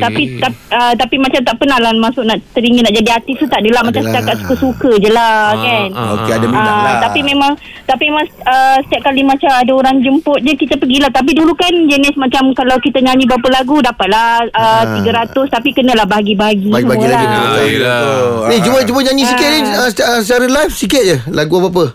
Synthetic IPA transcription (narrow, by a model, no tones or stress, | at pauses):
t̪apit̪apət̪apimat͡ʃamt̪aʔpənalanmasʊʔnaʔt̪əɾiŋənaʔd͡ʒadiat̪it̪ut̪aʔdəlamat͡ʃamsə̥t̪akat̪̚su̥kəsukəd͡ʒəlakanokeət̪apimẽmaŋ | t̪apiemãŋsəsə̥t̪iaʔ̚kalimat͡ʃamadaoɾaŋd͡ʒəmpʊt̪̚d͡ʒəkit̪apəɡilaht̪ap̬idulukand͡ʒənɪsmat͡ʃamkalawkit̪aɲaɲĩbap̬əlaɡudapat̪̚laət̪iɡəɾat̪ʊst̪apikənəlahbaɦaɡibaɦaɡisəmula | nit͡ʃumət͡ʃuməɲaɲĩsikɪəsəsət͡ʃaɾəlajfsikɪt̪̚d͡ʒəlaɡuabap̬ə